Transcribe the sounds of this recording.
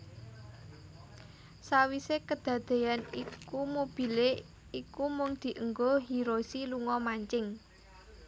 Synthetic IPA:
sawisekəd̪̥ä̤d̪̥e̤janikumob̥i̤le | ikumʊŋd̪̥i̤ʔəŋɡoɦiɾosiluŋɔmaɲt͡ʃɪŋ

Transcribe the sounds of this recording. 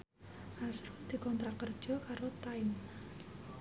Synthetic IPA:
ʔasɾud̪̥i̤kɔnt̪ɾakərd̥ʒ̥ɔ̤kaɾot̪aɪm

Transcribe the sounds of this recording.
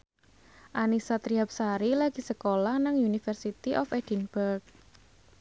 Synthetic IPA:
ʔanisat̪ɾiap̚saɾilaɡ̥i̤səkolahnaŋjunifərsit̪iʔɔfɛdinbərk̚

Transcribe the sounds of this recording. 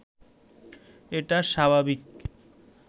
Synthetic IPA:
eʈaʃabʱabik

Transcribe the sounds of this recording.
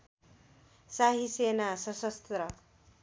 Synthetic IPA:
saɦisenasʌsʌst̪rʌ

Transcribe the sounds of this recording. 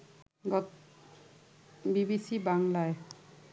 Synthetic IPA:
ɡɔ | bibisibaŋlaj

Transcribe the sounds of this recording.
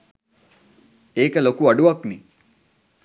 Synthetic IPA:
eːkəlokuɐɖuʋɐkni

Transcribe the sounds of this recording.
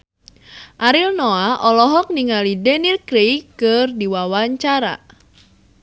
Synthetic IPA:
ʔaɾilnoaʔɔlɔɦɔk̚niŋalidɛnirkɾejkɨrdiwawaɲt͡ʃaɾa̰

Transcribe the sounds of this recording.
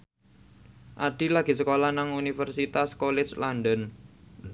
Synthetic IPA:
ʔaɖ̥i̤laɡ̥i̤səkolanaŋunifərsit̪askolɪ̥t͡ʃlanɖən

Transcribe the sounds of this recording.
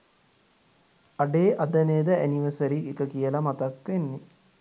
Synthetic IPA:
aɖeːʔad̪əneːd̪əæniʋəsəɾiekəkijəlamat̪akʋenːe

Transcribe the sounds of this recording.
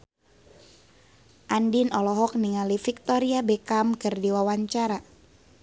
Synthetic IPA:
ʔandinɔlɔɦɔk̚niŋalifik̚t̪ɔɾiabekamkɨrdiwawaɲt͡ʃaɾa

